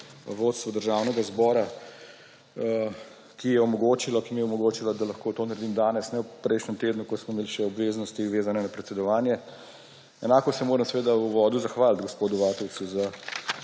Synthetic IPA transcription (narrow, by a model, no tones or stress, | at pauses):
ʋoːt̪st̪ʋɔd̪əɾʒaːwnɛɡazbɔːɾa | kijɛɔmɔɡoːt͡ʃilɔkimijɛɔmɔɡoːt͡ʃilad̪alɐxkoːt̪oːnɐɾed̪imd̪aːnɛsnɛwpɾɛjʃnɛmt̪eːd̪nukɔsmɔimeːliʃɛɔbʋeːznɔst̪iuʋeːzanɛnapɾɛt̪sɛd̪ɔʋaːnjɛ | ɛnaːkɔsɛmoːɾəmsʋeːd̪auʋɔːd̪uzaxʋaːlt̪ɡospoːd̪uʋaːt̪ɔwt̪suza